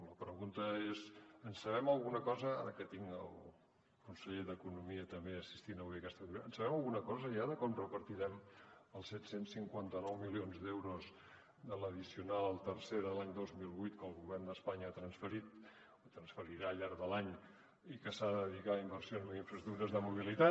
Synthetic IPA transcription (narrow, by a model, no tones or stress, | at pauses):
ləpɾəɣunt̪əezənsəβ̞ɛməlˠɣunəkɔzəa̰ɾəkət̪iŋə̰lˠ | kunsəʎeðəkunumiət̪əmbeəsi̥st̪inəβuejəkɛst̪əɣulənsəβɛməlˠɣunəkɔzəiaðəkɔmrəpəɾt̪iɾɛməlˠsɛt̪sensiŋkwant̪ənɔwmilionzd̪ewɾoz | d̪ələðisiunalˠt̪ərseðəlaɲd̪ozmilˠβujt̪kəlˠɣuβɛrnd̪əspaɲəat̪ɾənsfəɾit̪ | ot̪ɾənsfəɾiɾaːʎaɾðəlaɲ | ikəsaððiɣaimbərsionzmuiɱfəzt̪uɾəzðəmuβ̞ilit̪a